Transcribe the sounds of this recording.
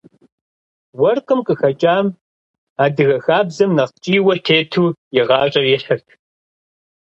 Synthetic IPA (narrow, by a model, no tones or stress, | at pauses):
wɐrqʼəmqʼəxɐt͡ʃʼaːm | aːdɨɣɐxaːbzɐmnɐqt͡ʃʼiːwɐtʰeːtʰuːjɛʁɑːɕʼɐrjɛɬɐrtʰ